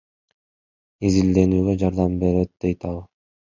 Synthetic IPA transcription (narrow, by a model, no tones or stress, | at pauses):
izild̪e̞nyːɡød͡ʒɑɾd̪ɑmbe̞ɾet̪̚d̪̥e̞jt̪ɑlˠ